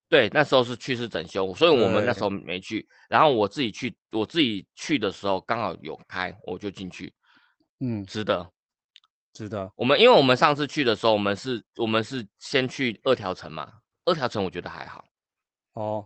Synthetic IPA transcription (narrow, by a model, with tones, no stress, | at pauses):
t̪we˥˩ɪna˥˩ʂɻ̩˧˥xo˥˧ʊʂ̬ɻ̩˥˧t͡ɕʰy˥˧ʂ̬ɻ̩˥˩t͡sə̰˨˩nɕjo˥ʊ˩swɔ˧˥i˧wɔ˨˩mə˦na˥˩˧xo˥˧ʊmʔḛ˧˥ɪt͡ɕʰy˥˩ | ɻa˧˥nxo˥˩ʊwɔ˨˩t͡sɹ̩˥˩t͡ɕi˨˩t͡ɕʰy˥˩ | wɔ˨˩t͡sɹ̩˥˩t͡ɕi˨˩t͡ɕʰy˥˩d̪ə˩ʂɻ̩˧˥xo˥˩ʊkɑ˥ŋxɑ˨˩ʊjo̰˨˩ʊkʰa˥ɪwɔ̰˨˩t͡ɕjo˥˧ʊt͡ɕi˥˧nt͡ɕʰy̰˥˩˥ | ʈ͡ʂɻ̩˥d̪ə˨ | ʈ͡ʂɻ̩˥d̪ə˨wɔ˨mə˦ni˥nwe˥˩ɪwɔ˨˩mə˦nʂɑ˥˧ŋt͡s̩ʰ˥˧t͡ɕʰy˥˩d̪ə˩ʂɻ̩˧˥xo˥˩ʊwɔ˨˩mə˦nʂɻ̩˥˩wɔ˨˩mə˦nʂɻ̩˥˩ɕjɛ˦˥nt͡ɕʰy˥˩ɤ˥˩t̪ʰjɑ˧˥ʊʈ͡ʂʰə̰˧˥nma̰˨ | ɤ˥˩t̪ʰjɑ˧˥ʊʈ͡ʂʰə˧˦nwɔ˨˩t͡ɕɥɛ˧˦d̪ə˨xa̰˧˥ɪxɑ̰˨˩˦ʊ | ɔ˥˩